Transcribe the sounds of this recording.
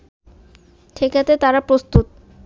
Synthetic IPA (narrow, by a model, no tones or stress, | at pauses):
ʈʰekat̪et̪aɾapɾost̪ut̪